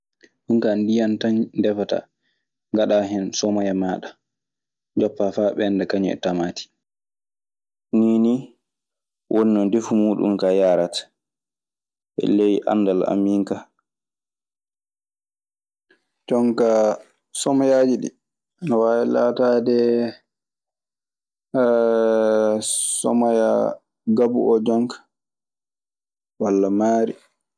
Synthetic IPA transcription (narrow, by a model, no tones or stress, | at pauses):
ɗuŋkandijantaɲdɛfata̰ | ŋɡaɗaɦɛnsɔmɔjamaːɗa | d͡ʒɔpːafaɓɛndakaɲɔ̰ɛ̰tamati̥ | niːni | wʔɔnːɔndefumuːɗṵmkajaːɾat | ʔɛ̰lejiʔa̰nːdala̰miːŋka | d͡ʒɔŋka | sɔmajad͡ʒiɗḭ | anawaːwɛla̰tadɛ | sɔ̰maja | ɡabṵʔɔd͡ʒɔŋkḁ | walːamaːɾi